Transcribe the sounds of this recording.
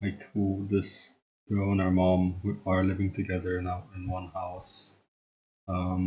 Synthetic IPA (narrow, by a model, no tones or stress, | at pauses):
laɪkʰud̪ɪs | ɡ̥oə̃naə˞mɑ̃mwiəɹlɪvɪ̃ŋtʰɨɡɛðə˞ɨ̃naʊɪ̃nwʌ̃nhaʊs | ʌ̃m